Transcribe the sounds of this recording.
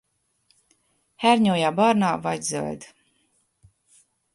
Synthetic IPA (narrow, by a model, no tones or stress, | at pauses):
hæɾɲuːjaːbɑɾnaːvajzø̰lʲd̪